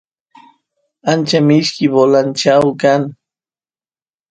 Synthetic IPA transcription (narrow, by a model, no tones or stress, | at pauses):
ant͡ʃamɪʃkɪbolant͡ʃawkaŋ